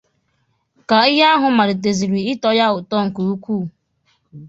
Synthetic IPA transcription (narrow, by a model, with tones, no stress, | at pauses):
ka˨i˦ɦe˦a˦ɦʊ˨ma˨ɾɪ˨t̬e˨zi˨ɾi˨ɪ˦tɔ˦ja˦ʊ˨tɔ˦ŋ̩˨ku˨u˦kʷuː˦˨